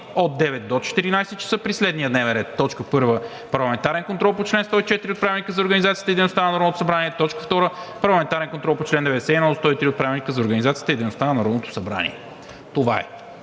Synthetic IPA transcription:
ot̪̚d̪ɛvɛt̪̚d̪ot͡ʃɛ̥t̪iɾinajsɛt͡ʃə̥sɤpɾislɛd̪nijəd̪nɛvɛnɾɛt̪ːɔt͡ʃkəpɤɾvə | pɐɾlˠɐmɛnt̪aɾɛnkont̪ɾɔlˠpot͡ʃlɛnst̪ɔit͡ʃɛt̪iɾiot̪̚pɾavɛlˠnikəzɐoɾɡənizat̪sijət̪id̪ejnost̪anɐnɐɾɔ̃vˠnot̪osɐbɾaniɛt̪ɔt͡ʃkəft̪ɔɾəpɐɾlˠɐmɛnt̪aɾɛnkont̪ɾɔlˠpot͡ʃlɛnd̪ɛvɛd̪ɛsɛɛnɔd̪ost̪ɔit̪iɾiot̪pɾavɛlˠnikəzɐoɾɡənizat̪sijə̥t̪əid̪ejnost̪annɐɾɔlˠnot̪o̥sɐbɾa̰nḭɛ | t̪ovaɛ̰

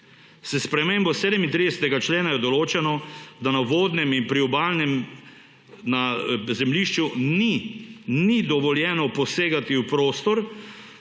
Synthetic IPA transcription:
sɛspɾɛmeːmbɔseːd̪ɛmint̪ɾid̪ɛsɛt̪ɛɡat͡ʃleːnajɛd̪ɔloːt͡ʃɛnɔd̪anaʋoːd̪nɛminpɾiɔbaːlnɛm | nazɛmliːʃt͡ʃuni | nid̪ɔʋɔljɛːnɔpɔseːɡat̪iupɾoːst̪ɔɾ

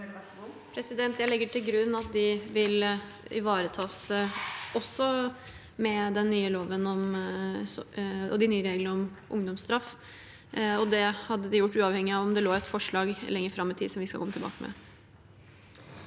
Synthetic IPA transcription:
pʰɾɛsɪd̪ɛnt̪jæɪlɛɡːəʈʰɪlɡɾʉnːɑt̪̚d̪ɪʋɪl | ɪ̰ʋɑːɾət̪ʰɑːs | ɔsːɔ | mɛd̪ɛnːyːəloːʋənɔm | ɔ̰d̪ɪnyːəɾeːɡləɔm | ʔʊ̰ŋd̪ɔmst̪ɾɑf | ɔd̪ɛhɑd̪ːəd̪ɪjʊʈːʉːɑʋhɛŋːɪɑʋɔmd̪ɛloːɛt̪fɔʂɭɑːɡlɛŋːəɾfɾɑmːɪt̪ʰiːsɔmʋɪskɑlkɔmːət̪ɪlbɑ̰ːkəmʔɛ̰

